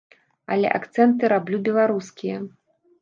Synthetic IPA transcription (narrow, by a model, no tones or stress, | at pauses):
ɐlʲɛ̰ʔa̰kt̪sɛnt̪ɨɾablʲubʲɛlˠaɾuskʲijɐ